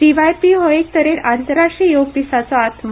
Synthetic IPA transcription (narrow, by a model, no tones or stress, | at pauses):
iʋajpiɦoek̚t̪əɾeɾant̪əɾːaʂʈɾijoɡd̪isat͡sɔːt̪ʰm